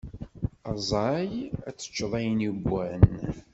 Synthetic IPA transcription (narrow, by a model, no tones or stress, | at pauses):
ɑzˤɑjæt͡sːə̥t͡ʃːəðˤæjənjəbːæn